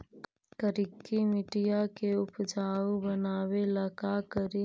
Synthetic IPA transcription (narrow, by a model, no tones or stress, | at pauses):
kəɾikːimiʈijakeʊpd͡ʒaːobɐnaːwelɐkakəɾi